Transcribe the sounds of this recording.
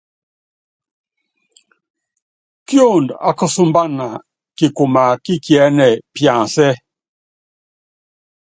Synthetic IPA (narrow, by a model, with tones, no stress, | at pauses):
kjo˦˨nda̰˦kə˦su˦mba˦na˨ | ki˨ku˨ma˨ki˦kjɛ˨˦nɛ˨pjã˨nsɛ˦